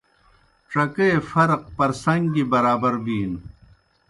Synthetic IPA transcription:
ʈ͡ʂɐkeefɐɾq̚pɐɾsɐŋɡibɐɾaːbɐɾbiːn

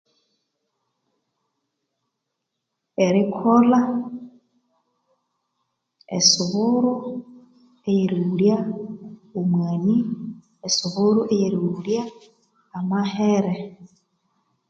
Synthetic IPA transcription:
eɾikʰola | ḛsuβuɾu | ejeɾiulja | omwani | esuβuɾuʔejeɾiuuljaː | maheɾe

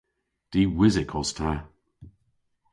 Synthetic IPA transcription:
d̥iːwɪzɪkʰɔstʰa

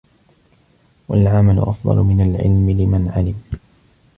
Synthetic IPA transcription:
walʕamalʊ̰ʔɑfd̪ˤɑ̰lʊmɪnalʕɪ̰lmɪlɪmanʕalɪb

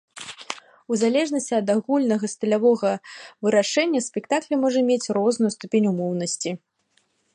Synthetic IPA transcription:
uzalʲɛʐnɐsʲt͡sʲiɐd̪aɣulʲnɐɣɐst̪ɐlʲavɔɣɐvɨɾaʂɛnʲːɐsʲpʲɛkt̪aklʲɛmɔʐɐmʲet͡sʲrɔznujust̪upʲenʲumɔwnɐsʲt͡sʲi

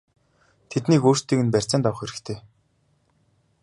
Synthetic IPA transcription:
t̪ʰet̪niːkoːr̥st̪ːiːkɘ̆npær̥ʲt͡săːnt̪ɔwχeɾɘ̆kt̪ʰeː

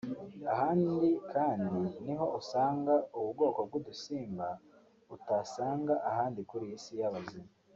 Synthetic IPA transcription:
ahaːndikʰaːndiniɦo̞usaːŋɡauβubɡo̞ːkobɡudusiːmba | utasaːŋɡaʔahaːndikuɾijisijaβazimaa

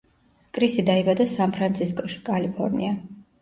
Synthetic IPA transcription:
kʼɾisid̪aibad̪asanpʰɾant̪sʰiskʼɔʃi̥kʼalipʰɔ̰ɾnḭa

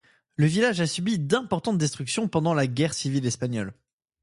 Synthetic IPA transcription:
ləvilaʒasybid̪ɛ̃pɔʁt̪ɑ̃t̪̚d̪ɛst̪χyksjɔ̃pɑ̃d̪ɑ̃laɡʲɛʁsivilɛspaɲɔl

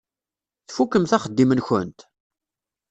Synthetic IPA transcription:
θfukːəmθæχəd̪ːimənçə̰nt̪

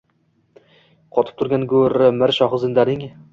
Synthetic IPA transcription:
qʰɒt̪ɪ̥p̚t̪ʰʊɾɡʲanɡɵɾɪmɪɾʃɒχzɪnd̪aɾɪŋ

